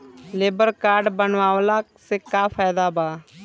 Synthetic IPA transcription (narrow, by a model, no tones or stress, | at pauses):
leːbəɾkaːɾɖbənʋaːwlaːsekaːfʰaːd̪aːbaː